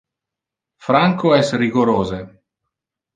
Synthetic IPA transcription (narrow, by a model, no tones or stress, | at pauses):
fɾaŋkoɛsriɡoɾoːze